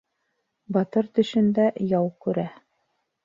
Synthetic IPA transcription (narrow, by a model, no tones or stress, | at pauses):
bɑt̪ɤɾt̪ɵ̆ʃɘ̆nd̪æjɑwkʉɾæ